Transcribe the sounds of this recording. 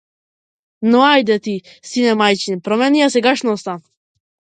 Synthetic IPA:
nɔajd̪ɛt̪i | sinɛmajt͡ʃinpɾɔmɛniasɛɡaʃnɔst̪a

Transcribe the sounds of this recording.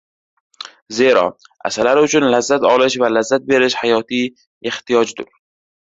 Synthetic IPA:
zeɾɒ̰ | a̰salaɾɪʊt͡ʃʰʊnlazːat̪ɒlɪʃvalazːat̪̚be̞ɾɪʃhajɒt̪ʰi | eht̪ijɒd͡ʒd̪ʊɾ

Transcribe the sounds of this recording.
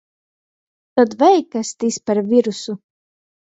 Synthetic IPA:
t̪ɔd̪vɛjkast̪ispaɾvʲiɾusu

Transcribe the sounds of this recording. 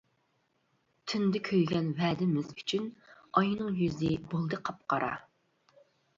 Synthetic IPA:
t̪ʰɪnd̪ɪkʲʰøjɡʲɛnvɛːd̪ɪmɪzyt͡ʃʰynɑjnɨŋjyzɪbolˠd̪ɨqʰɑp̚qɑɾɑ̰

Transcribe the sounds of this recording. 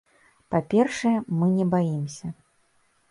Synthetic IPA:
papʲɛrʂɛjɛmɨnʲɛbajimsʲɐ

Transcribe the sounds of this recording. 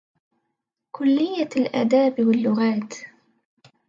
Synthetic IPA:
kʰʊlːɪjːalʔa̰ːd̪aːbwalːʊɣaːt̪

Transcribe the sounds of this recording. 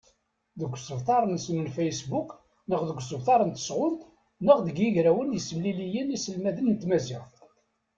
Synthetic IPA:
ðəɡʷːsəvt̪ˤɑɾˤənsmənfæjsbuk | nəχðəɡʷːsəvt̪ˤɑɾˤənt̪ə̥sʁʊnt̪ | nəʁðəɡjəʝɾæwənjəsːəmlilijənisəlmæðənnət̪mæziʁ

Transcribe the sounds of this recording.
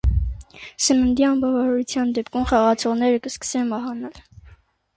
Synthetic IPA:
sənənd̪iɑmbɑvɑɾɑɾut͡sʰjɑnd̪ɛpkʰumχɑʁɑt͡sʰɔʁnɛɾəkəskə̥sɛnmɑɦɑnɑl

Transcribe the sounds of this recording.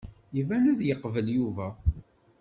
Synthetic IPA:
ivænuðjəqːvəljuvæ

